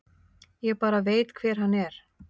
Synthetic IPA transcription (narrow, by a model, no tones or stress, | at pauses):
jɛɣpaːɾaveːjt̪kʰvɛːɾ̥ɦanːɛɾ̥